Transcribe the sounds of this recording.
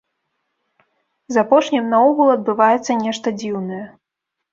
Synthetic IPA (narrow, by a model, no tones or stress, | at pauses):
zapɔʂnʲɛmnauɣulˠɐd̪̚bɨvajɛt̪sːɐnʲɛʂt̪ɐd͡zʲiwnɐjɛ